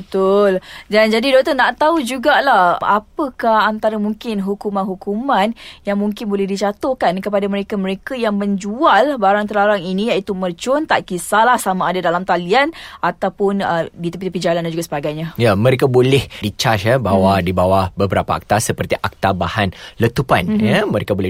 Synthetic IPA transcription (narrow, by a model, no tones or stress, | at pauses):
bət̪ʊldand͡ʒadidɔk̚t̪ənaʔt̪aud͡ʒuɡaʔlahʔapəkahant̪aɾamuŋkɪnɦukumanɦukumanjaŋmuŋkɪnbolɛhdit͡ʃat̪ohkankəpadaməɾekaməɾekajaŋməɲd͡ʒualbaɾaŋt̪əlaɾaŋinĩjait̪umərt͡ʃɔnt̪aʔkisalahsamaːdadalamt̪alianat̪awpʊnədit̪əpit̪əpid͡ʒalandand͡ʒuɡasəbaɡajɲajamə̃ɾekabolɛhdit͡ʃaʃabawadibawabəbəɾapaa̰k̚t̪asəpərt̪iʔak̚t̪abahanlət̪upa̰njaməɾekabolɛ